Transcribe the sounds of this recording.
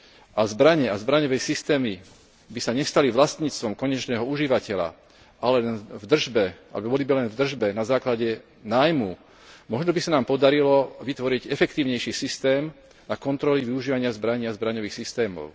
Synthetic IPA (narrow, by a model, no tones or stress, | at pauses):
ʔazbɾaɲɛazbɾaɲɔʋɛjsist̪ɛːmi | bisaɲɛst̪aliʋlast̪ɲiːt͡st̪ʋɔmkɔɲɛt͡ʃnɛːɦɔuʒiʋacɛʎa̰ | alɛnvd̪r̩ʒbɛa̰lɛbɔbɔlibilɛnvd̪r̩ʒbɛnazaːklaɟɛ | naːjmu | mɔʒnɔbisanaːmpɔd̪aɾilɔʋit̪ʋɔɾiɟɛfɛk̚t̪iːʊɲɛjʃiːsist̪ɛːm | nakɔnt̪ɾɔliʋiuʒiːʋaɲɪazbɾaɲiːazbɾaɲɔʋiːxsist̪ɛːmɔ̰ʊ